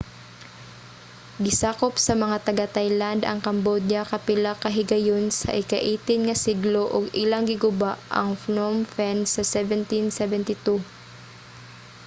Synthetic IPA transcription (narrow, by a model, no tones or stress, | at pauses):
ɡɪsaːkopsɐmɐŋat̪ɐɡat̪ajland̪ɐ̰ŋkɐmbod̪jɐkɐpɪlakɐɦɪɡɐjonsɐ̰ʔɪkɐʔiːt̪ɪnŋɐsiɡloʔoɡɪlaŋɡɪɡʊbaʔɐ̰ŋfnomfɛnsːɐsɛvɛnt̪insɛvɛnt̪ɪt̪u